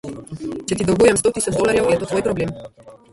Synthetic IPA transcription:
t͡ʃɛt̪id̪ɔɡujɛmst̪ot̪isad͡ʒd̪ɔlaɾjɛwɛt̪ot̪vojpɾɔblem

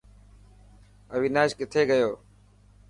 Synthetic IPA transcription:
əʋiːnaːʃkɪt̪ʰeːɡəjoː

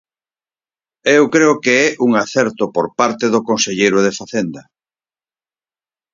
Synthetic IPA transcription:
ewkɾeʊkeɛʔuŋaθɛɾt̪opoɾpaɾt̪eðʊkõnseʎejɾʊð̞efaθend̪ɐ

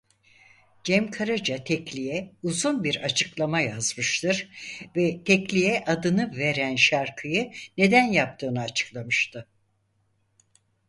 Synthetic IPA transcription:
d͡ʒɛmkʰaɾad͡ʒat̪ʰɛclʲijɛuzunbiɾat͡ʃʰɯklˠamajazmɯʃt̪ʰɯɾvɛt̪ʰɛclʲijɛʔad̪ɯnɯve̞ɾænʃaɾkʰɯjɯne̞d̪ænjap̚t̪ʰɯːnaːt͡ʃʰɯ̥klˠamɯʃt̪ʰɯ

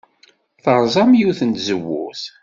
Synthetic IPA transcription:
θəɾˤzˤɑmjuwθənt̪zəwːʊ̰θ

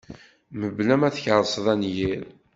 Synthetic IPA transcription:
məblæmæθçəɾˤsˤðˤænjiɾ

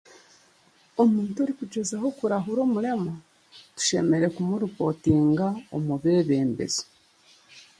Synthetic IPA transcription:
o̞muːntoɾikuɟezaho̞kuɾaɦuɾo̞ːmuɾe̞ma | tu̥ʃe̞me̞ɾe̞kumuɾuko̞tiːŋɡao̰muβe̞ːβe̞ːmbe̞̰z̥o̥

